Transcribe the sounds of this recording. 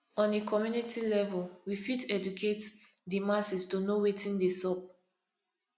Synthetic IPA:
ɔ̃nekʰɔmjunitilɛvɔlwifitɛd͡ʒukʰetdimasistonowetʰĩndesɔp̚

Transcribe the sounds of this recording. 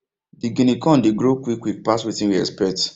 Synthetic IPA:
diɡĩnikʰɔ̃ndeɡɾokwikwik̚paswitĩwiɛ̰spɛt

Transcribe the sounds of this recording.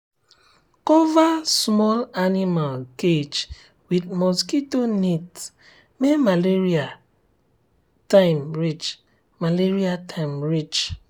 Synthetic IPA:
kɔvasmɔlanimalked͡ʒ | wid̚mɔskitonit | memaleɹia | taɪmɹit͡ʃ | maleɹiatʰaɪmɹit͡ʃ

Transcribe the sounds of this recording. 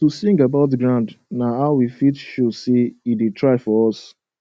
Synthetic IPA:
tusĩŋɡabaʊt̬ɡɹãʊ̃ndnaɦaʊwifitʃuseiditʰɹaɪfɔɹɔs

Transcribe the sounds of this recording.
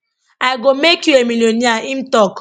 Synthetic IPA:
aɪɡomekjuemiloniaim̩tɔk

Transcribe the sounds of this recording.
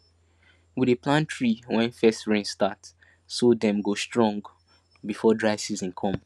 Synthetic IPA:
widepʰlãntʰɹiwɛ̃nfɛstɹẽnstat | sodɛ̃mɡostɹɔ̃ŋɡ | bifɔdɹaɪsizĩnkʰɔ̃m

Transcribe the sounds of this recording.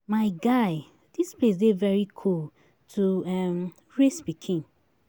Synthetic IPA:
maɪɡaɪ | d̥isplesdevɛɹikʰul | tʰuɛm | ɹesbikʰĩn

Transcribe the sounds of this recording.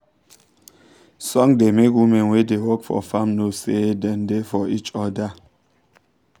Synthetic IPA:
sɔŋdemekumewedewɔkfɔ̰famnosedɛndefɔit͡ʃɔda

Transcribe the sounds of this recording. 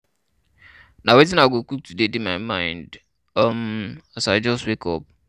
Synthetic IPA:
nawet̬ɪ̃naɡokuk̚tudedemaɪmãɪ̃nd | ɔmasaɪd͡ʒɔstwekʰɔ̰p̚

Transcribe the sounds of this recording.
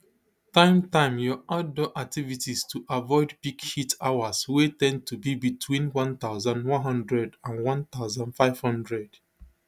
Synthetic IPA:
tãɪ̃mtãɪ̃mjɔadoʔak̚tivitistʰuʔavɔɪdpiɡhitawaswetɛ̃n̚tubibitʰwĩnwɔ̃nt̪aʊzãnwɔ̃nɦʌ̃ndɹɛdãnwɔ̃nt̪aʊzãndfaɪv̥hʌ̃ndɹɛd̥

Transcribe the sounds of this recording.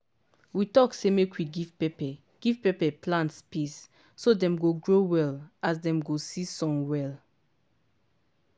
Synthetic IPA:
witɔksemekwiɡivpepɛ | ɡ̥iv̥pepɛplãntspisː | odɛ̃mɡoɡɹowɛlas̬dɛ̃mɡosisɔ̃nwɛl

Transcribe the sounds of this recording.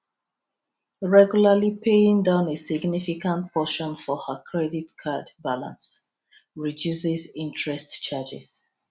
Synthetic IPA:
ɹɛɡjulalipʰeĩŋdãʊ̃nesiɡnifikãnt̚pʰɔʃɔ̃nfɔhəkʰɹɛditkʰadbalã̰ns | ɹidjusɛzĩntʰɹɛstt͡ʃad͡ʒɛ̰z̥

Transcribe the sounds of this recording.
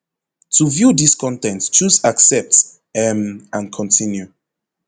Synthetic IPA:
tʰuvjudiskʰɔ̃ntɛ̃ntt͡ʃuzaksɛp̚t | ɛmãnkʰɔ̃ntʰĩnju

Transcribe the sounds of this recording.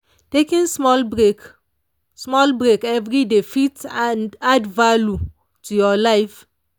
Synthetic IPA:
tekĩnsmɔlbek | smɔlbɹekɛvɾidefitandadvalu | tujɔlaɪf

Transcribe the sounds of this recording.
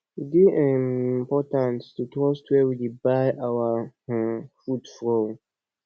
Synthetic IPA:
idiĩmpɔtãnstutɹɔstʰwɛwidibajʔawa | fudfɹõn

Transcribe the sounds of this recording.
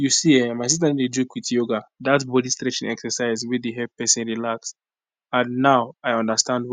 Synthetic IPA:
jusiɛmajsis̬taĩded͡ʒukwitjoɡadatbɔdistɹɛt͡ʃɪ̃ŋɛksɛsaɪzwɛdeɦɛpɛsɛ̃nɹilaks | ãnːaʊaɪɔ̃ndəstãndw

